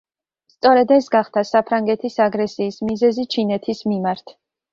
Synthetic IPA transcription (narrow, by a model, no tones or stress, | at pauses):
st̪sʼɔɾɛd̪ɛsɡaχt̪ʰasapʰɾaŋɡɛt̪ʰisaɡɾɛsiːsmizɛzit͡ʃʰinɛt̪ʰismimaɾt̪ʰ